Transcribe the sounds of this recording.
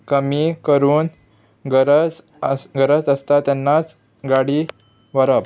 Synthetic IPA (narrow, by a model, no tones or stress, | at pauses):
kəmikəɾuːn | ɡəɾəd͡z | ɡəɾəd͡zəst̪at̪janːat͡s | ɡaɽiː | ʋəɾəp